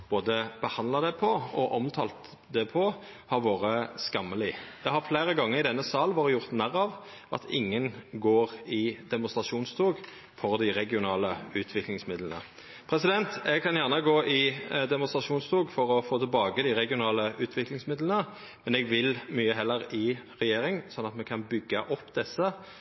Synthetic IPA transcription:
b̥oːd̪əb̥əhɑnd̪lɑd̪ɛpʰɔɔʔɔmt̪ʰɑ̰ːlt̪ | d̪ɛpʰɔ | hɑɾʋoːɾəskɑmːəlɪd̪ɛhɑʁfleːʁəɡɑŋːəʁɪd̪ɛnːəsɑːlʋɑːɾəjʊʁt̪næʁɑʋ | ɑ̰t̪ʰɪ̰ŋːənɡoːʁɪd̪ɛmʊnst̪ʁɑʃuːnst̪ʰoːɡ | fɔʁd̪ɪʁɛɡɪʊnɑːləʉːt̪ʰʋɪklɪŋsmɪd̪lənə̰ | pʰɾɛsɪd̪ɛnt̪ɛɡkʰɑnjæʁnəɡoːʔɪd̪ɛmʊnst̪ʁɑʃuːnst̪ʰoːɡfɔʁɔfoːt̪ʰɪlbɑːɡəd̪ɪʁɛɡɪʊnɑːləʉːt̪ʰʋɪklɪŋsmɪd̪lənə | mɛnɛɡʋɪlmyːəɦɛlːəɾɪʁɛjeːɾɪŋsɔnːɑt̪mɛkʰɑnbʏɡːɑʔɔpːd̪ɛsːə

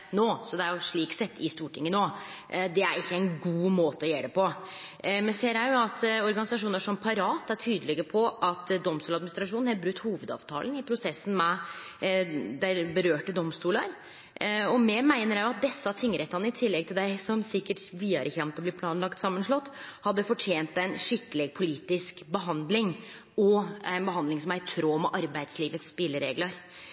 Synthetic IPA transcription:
noːsɔd̪ɛæɾjʊʂɭiːksɛt̪ːɪst̪uːʈʰɪŋːənoːd̪ɛæ̰ɾɪçːəɛɪnɡuːmoːt̪əɔjeːɖ̪ɛpɔ | mɛnseːɾjæɪjʊɑt̪ɔɾɡɑnɪsɑʂuːnəʂɔmpʰɑɾɑːt̪ːæʈʰyːd̪əlɪɡəpʰɔʔɑt̪d̪ɔmst̪uːlɑd̪mɪnɪst̪ɾɑʂuːnnhɑbɾʉkt̪ːhuːʋəd̪ɑ̰ːʋt̪ʰɑ̰ːlən̩ɪpʰɾʊsɛsːn̩mɛ | d̪æɪbəɾøːʈəd̪ɔmst̪uːləɾ | ɔmɛmæɪnəɾæʊɑt̪̚d̪ɛsːɑt̪ʰɪŋːəɾɛt̪ːɑnəɪt̪ʰɪlːɛɡ̚t̪ʰɪld̪æɪsɔmsɪkːəʈʋiːɑɾəçɛmt̪ɔbliːpʰlɑːnlɑkt̪sɑmːənʂlɔt̪ːhɑd̪ːəfɔʈʰjeːnt̪æɪnʂɪkːəlɛɡ̚pʰʊliːt̪ɪskbəɦɑnd̪lɪŋ | ɔæɪnbəɦɑnd̪lɪŋsɔmæɾt̪ʰɾoːmɛʔɑɾbæɪd̪sliːʋət̪sːpɪlːəɾeːɡlɑɾ

